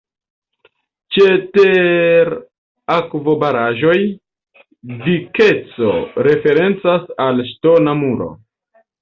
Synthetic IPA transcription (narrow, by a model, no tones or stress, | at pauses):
t͡ʃe̞teɾ | akvo̞baɾaʒo̞j | vike̞t͡so̞̰ɾe̞fe̞ɾe̞nt͡sasalʃto̞namuɾo̞̰